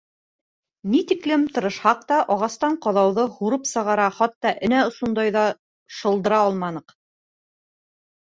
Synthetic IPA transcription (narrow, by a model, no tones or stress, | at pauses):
nit̪iklɘmt̪ɤ̆ɾɤ̆ʃhɑq̚t̪ɑʔɑʁɑst̪ɑɴqɑðɑwðɤhuɾɤpsɤ̆ʁɑɾɑχɑt̪ːɑʔɘ̆næŏʃund̪ɑjðɑ | ʃɤ̆lˠd̪ɤ̆ɾɑɒlˠmɑnɤq